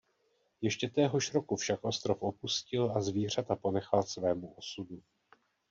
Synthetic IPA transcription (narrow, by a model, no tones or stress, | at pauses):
jɛʃcɛt̪ɛːɦo̞ʃɾo̞kufʃakʔo̞st̪ɾofʔo̞puscɪlazviːr̝at̪apo̞nɛxalsvɛːmuʔo̞sudu